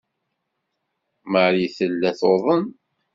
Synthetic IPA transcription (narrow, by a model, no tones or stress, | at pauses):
məɾiθəlːæθoðˤən